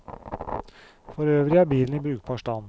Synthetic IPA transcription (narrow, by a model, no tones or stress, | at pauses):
fɔɾøːʋɾɪɑːbiːln̩iːbɾʉːk̚pʰɑʃʈɑn